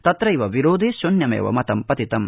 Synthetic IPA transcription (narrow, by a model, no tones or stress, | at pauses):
t̪ɐt̪ɾɐiʋɐʋiɾoːd̪eːʃonjɐmḛːʋɐ̰mɐt̪ɐmpɐt̪it̪ɐm